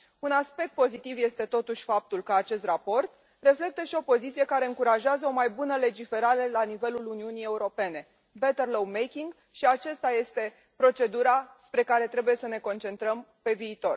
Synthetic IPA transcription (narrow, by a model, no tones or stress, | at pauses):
unaspe̞k̚t̪̚po̞zit̪ivje̞st̪e̞t̪o̞t̪uʃʲfap̚t̪ulkəat͡ʃe̞st̪rapo̞rt̪ | re̞fle̞k̚t̪əʃio̞po̞zit̪sije̞kaɾe̞ɨŋkuɾaʒeazəo̞majbunəle̞d͡ʒife̞ɾaɾelanive̞luluniunije̞uɾo̞pe̞ne̞ | bet̪erlowmejkʲiŋɡ | ʃiat͡ʃast̪aje̞st̪e̞ | pɾo̞t͡ʃe̞d̪uɾaspɾe̞kaɾe̞t̪ɾe̞bujesəne̞ko̞nt͡ʃe̞nt̪ɾəm | pe̞viːt̪o̞r